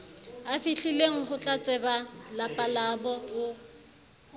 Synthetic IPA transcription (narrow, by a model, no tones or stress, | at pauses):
afiɬileŋ̩χʊt͡ɬʼat͡sʼɛbalapʼalabɔʊ